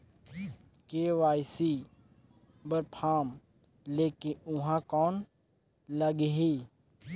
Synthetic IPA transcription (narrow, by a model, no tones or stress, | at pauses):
keːʋaːjsi | bəɾpʰaːm | leːkɪnʊɦãkɔːn | ləɡɦiː